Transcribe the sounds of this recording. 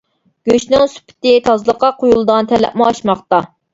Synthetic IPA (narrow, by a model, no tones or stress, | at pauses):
ɡ̥ʲøʃnɪŋsy̥pʰɪ̥t̪ɪt̪ʰɑzlˠəqːɑqʰojulˠɨd̪ɑnt̪ʰɛlːɛ̰p̚mʊɑʃmɑχt̪ɑ